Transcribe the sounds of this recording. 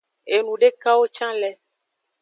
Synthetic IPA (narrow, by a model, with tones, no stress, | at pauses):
e˨nũ˨ɖe˦ka˦wo˦t͡ʃã˦lɛ˦